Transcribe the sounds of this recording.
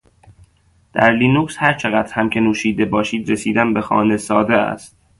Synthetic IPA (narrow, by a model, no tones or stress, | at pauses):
d̪̥æ̰ɾliːnuːkshæɾt͡ʃʰe̞ɣæd̪ɾhæmcʰe̞nuːʃiːd̪e̞bɒːʃiːd̪ɾesiːd̪æmbe̞xɒ̰ːnesɒːd̪eæ̰st̪̚